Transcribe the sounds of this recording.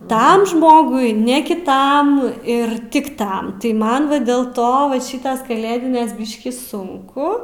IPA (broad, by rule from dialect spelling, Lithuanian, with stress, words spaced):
ˈtɐm ˈʒmoːɡʊɪ nʲɛ kʲɪˈtɐm ɪr ˈtʲɪk ˈtɐm tɐɪ ˈmɐn ʋɐ dʲeːlˠ ˈtoː ʋɐ ˈʃʲiːtɐs kɐˈlʲeːdʲɪnʲeːs ˈbʲɪʃʲkʲiː ˈsʊŋkʊ